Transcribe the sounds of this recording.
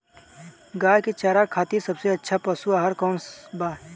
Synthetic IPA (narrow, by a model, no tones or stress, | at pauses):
ɡaːjket͡ʃaːɾakʰaːt̪isɐbseɐtːʃʰapasuaːɦəɾkɔːnsbaːɾ